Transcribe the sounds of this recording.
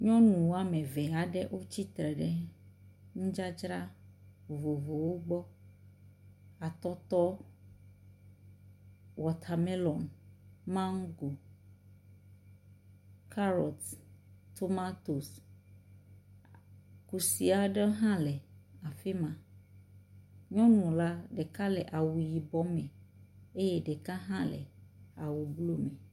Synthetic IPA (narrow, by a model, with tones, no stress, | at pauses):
ɲɔ̃˦nũ˨wo˦a˦mɛ̃˨vɛ˨a˨ɖɛ˦ʔwʔo˦t͡ɕi˦t̪ɾɛ˨ɖɛ˦ | ŋũ˦d͡ʒa˦d͡ʒɾa˦˨ | vo˨vo˨wo˦ɡ͡bɔ˦ | a˨t̪ɔ˦t̪ɔ˦ | wɔ˨t̪ʰa˨me˦lɔ˨nmã˦ŋ˦ɡo˨ | kʰa˦ɾɔ˨t̪t̪o˦ma˦t̪o˨s | ku˨si˨a˨ɖe˦ɦã˦lɛ˨a˨fe˦mã˨ | ɲɔ̃˦nũ˨la˦ɖe˨ka˦lɛ˨ʔa˨wu˨ji˨bɔ˦mẽ˨a˨e˦jɛ˦ɖe˨ka˦ɦã˦lḛ˨a̰˨wu˨blo˦me˨